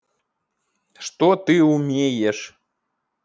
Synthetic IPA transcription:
ʂt̪ot̪ɨumʲejeʂ

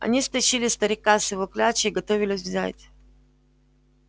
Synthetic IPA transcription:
ɐ̰nʲist̪ɐɕilʲɪst̪əɾʲɪkasɪvoklʲat͡ɕɪiɡɐt̪ovʲɪlʲɪsʲvzʲa̰tʲ

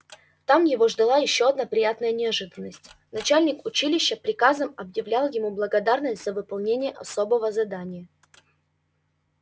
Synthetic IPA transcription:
t̪amjɪvo̞ʐd̪ɐlˠajɪɕːo̞ɐd̪napɾʲɪjat̪nəjənʲɪɐʐɨd̪ənːəsʲtʲnɐt͡ɕælʲnʲɪkʊt͡ɕilʲɪɕːəpɾʲɪkazəmɐbjɪvlʲalˠjɪmublˠəɡɐd̪arnəsʲtʲz̥əvɨpɐlˠnʲenʲɪjəʔɐ̰so̞bəvəzɐd̪anʲɪjə

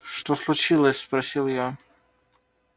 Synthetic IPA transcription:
ʂt̪oslˠʊt͡ɕilˠəsʲspɾɐsʲilˠja

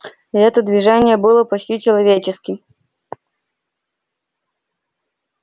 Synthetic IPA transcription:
iɛt̪əd̪vʲɪʐɛnʲɪjəbɨlˠəpɐt͡ɕʲtʲit͡ɕɪlˠɐvʲet͡ɕɪskʲɪm

